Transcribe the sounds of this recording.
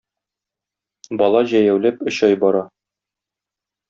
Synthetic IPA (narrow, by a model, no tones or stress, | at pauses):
bɒlˠɑʑæjæwlæpɵ̆ɕɑjbɒɾɑ